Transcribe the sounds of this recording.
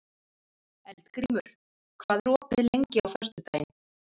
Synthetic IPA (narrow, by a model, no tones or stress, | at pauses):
ɛlt̪kɾiːmʏɾ̥ | kʰvaːðɾɔːpɪðlejɲcɪawθœst̪ʏt̪aːjn